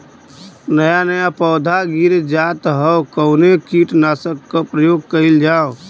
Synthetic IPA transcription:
nəjanəjapɔːd̪ʱaɡiɾd͡ʒat̪ɦəwkəʊnekiʈnasəkːəpɾəjoːɡ̚kəɪld͡ʒaw

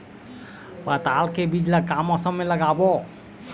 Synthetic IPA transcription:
pət̪alkebid͡ʒləkamɔsəmmːeləɡabɔ

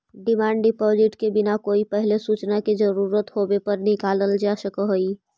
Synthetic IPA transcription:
ɖimaɳɖɖipɔd͡ʒiʈkebinakoipəɦilesut͡ʃnaked͡ʒəɾuɾət̪ɦobepəɾnikaləld͡ʒasəkəɦoi

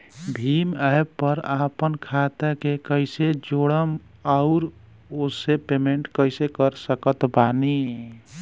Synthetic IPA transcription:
bʱiːməjpəɾapənkʰat̪akekəɪsed͡ʒoɽəm | aʊɾ | osepemeɳʈkəɪsekəɾsəkət̪bani

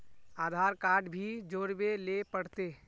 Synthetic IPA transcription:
aːd̪ʱaːɾkaːɾɖbʱid͡ʒoːɾbelepəɽ̤t̪eː

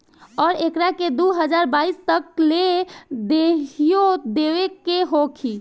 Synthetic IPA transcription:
ɔːɾekɾaked̪uɦəd͡ʒaɾbaist̪əkled̪eɦijod̪eʋekːeɦokʰi

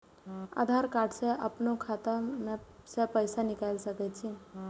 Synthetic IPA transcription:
a̰d̪ʱaɾkaɾɖseʔə̰pnokʰat̪amesepəjsanikalsəkɛt̪t͡ʃʰi

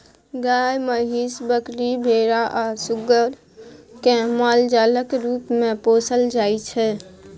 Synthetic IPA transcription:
ɡajməɦisbəkɾibʱeɾaʔasuɡəɾ | kẽmald͡ʒaləkɾupmẽposəld͡ʒajt͡ʃʰɛ

